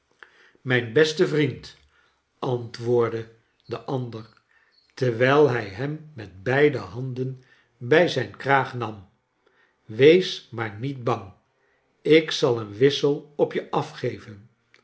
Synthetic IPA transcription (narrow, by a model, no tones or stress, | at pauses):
mɛjnbɛstəvrint | ɑntʋʊːɹdə | dəʔɑndəɹ | təɹʋɛjlˠɦɛjɦɛmːɛt̚bɛjdəɦɑndən | bɛjzɛjnkraːχnɑm | ʋejsmaːɹnit̚bɑŋ | ɪksɑlˠənʋɪsəlˠɔpjəʔɑfχejvən